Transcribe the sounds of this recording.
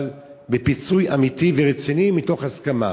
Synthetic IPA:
l | bepit͡sujamitiveʁet͡sinimito̞χhaskama̰

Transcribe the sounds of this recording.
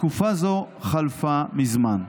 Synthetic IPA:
kufazo | χalfamizman

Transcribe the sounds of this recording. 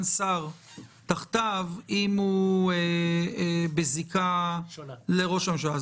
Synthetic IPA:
nsaʁt̪aχt̪avimue | bezika | leʁo̞ʃamʃa

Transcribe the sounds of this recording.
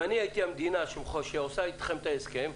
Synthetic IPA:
aniajit̪iamd̪inaʃeχoʃeosait̪χemt̪aeskem

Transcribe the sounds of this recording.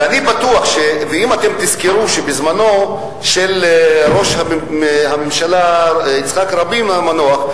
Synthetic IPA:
anibat̪uaχʃeveimat̪emt̪izkeɾuʃebizmano̞ | ʃelɾo̞ʃhahamemʃalait͡sχakɾabimamanoaχ

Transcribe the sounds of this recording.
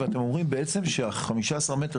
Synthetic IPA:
eat̪emo̞mʁimbe̞et͡se̞mʃeaχamiʃaːsaʁme̞te

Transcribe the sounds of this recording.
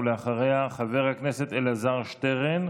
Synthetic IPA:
leaχaʁejaχave̞ʁhakneset̪elazaʁʃt̪eʁen

